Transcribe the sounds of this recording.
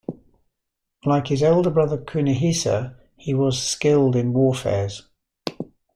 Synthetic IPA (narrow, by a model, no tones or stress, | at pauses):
laɪkhɪzɛʊlˠdəbɹʌðəkʰʉːnəɦiˑsə̰ | iwɒz̥skɪlˠdɪ̃nwɔːfɛ̰ːz̥